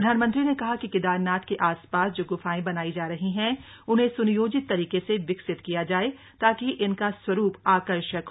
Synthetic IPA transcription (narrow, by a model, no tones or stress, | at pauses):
ɾɐd̪ʱaːnmə̃nt̪ɾinekɐɦakikɪd̪aːɾnaːt̪keʔaːspaːsd͡ʒoːɡʊfaːẽbɐnaːid͡ʒaːɾɐɦiɦɛ̃ | ʊnɦẽsʊnjoːd͡ʒɪt̪ːɐɾiːkeseʋɪksɪt̪kijad͡ʒaːe | t̪aːkiʔɪnkaswɐɾuːpaːkəɾʃək